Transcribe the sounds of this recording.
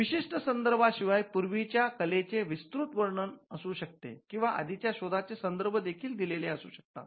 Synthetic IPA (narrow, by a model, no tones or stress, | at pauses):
ʋiɕiʂʈəsənd̪əɾbʱaɕiʋajpuɾʋit͡ɕjakəlet͡seʋist̪ɾut̪ʋəɾɳənəsuːɕək̚t̪ḛkĩw̃ʋaʔə̰d̪ʱit͡ɕjaɕod̪ʱat͡sesənd̪əɾbʱəd̪ekʰiːld̪ileleəsṵːɕə̥k̚t̪a̰t̪